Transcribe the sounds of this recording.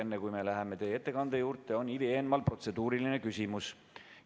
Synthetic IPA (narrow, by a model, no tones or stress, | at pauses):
enːekujme̞læɦeme̞t̪e̞je̞t̪ːe̞kɑnd̪̥e̞juːɾt̪ːˑe̞o̞nilieːnmɑlpro̞t̪se̞d̪uːɾiline̞kysʲimus